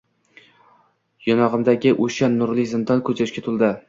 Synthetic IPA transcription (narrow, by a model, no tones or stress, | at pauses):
jɒnɒʁɨmd̪aɡʲɪʔoʃanːʊɾlɪkʲzɪnd̪ɒnkʰɵt͡ʃʰaʃkʲat̪ʰʊlˠd̪ɪ